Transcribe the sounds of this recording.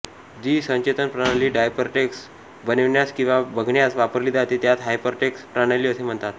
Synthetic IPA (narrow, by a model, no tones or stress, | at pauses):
d͡ʑiːsə̃ɲt͡ɕet̪ənpɾaɽ̃aliːɖajpəɾʈeks | bəneʋɳjaskĩw̃ʋabəɡʱɳjasʋapəɾliːd̪at̪et̪jat̪ɦajpəɾʈekspɾaɽ̃ajliːəsem̤əɳt̪at̪